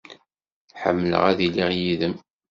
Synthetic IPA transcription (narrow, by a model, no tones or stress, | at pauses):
ħə̰mːlə̰ʁæðiliʁjiðəm